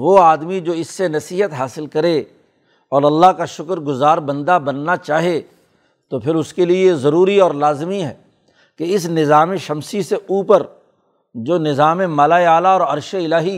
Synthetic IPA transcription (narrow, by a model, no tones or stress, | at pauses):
ʋoaːd̪mid͡ʒoːɪsːenɐsiːɦət̪ɦaːsɪlkɐɾe | ɔːɾɐlːaɦkaʃʊkɾɡʊzaːɾbɐ̃nd̪abɐnːat͡ʃaːɦe | t̪opʰɪɾʊskeliezɐɾuːɾiɔːɾlaːzmiɦɛː | keɪsnɪzaːmẽʃɐmsiseʔuːpəɾ | d͡ʒoːnɪzaːmẽmɐːlaːeaːlaɔːɾɐɾʃeɪlaːɦi